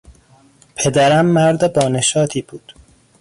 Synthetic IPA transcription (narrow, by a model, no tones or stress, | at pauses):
pʰed̪æɾæmːæɾd̪ebɒːneʃɒːt̪ʰiːb̥uːd̪̥